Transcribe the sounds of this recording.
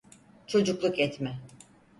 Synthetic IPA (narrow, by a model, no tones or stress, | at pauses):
t͡ʃʰo̞d͡ʒuklˠukɛt̪mɛ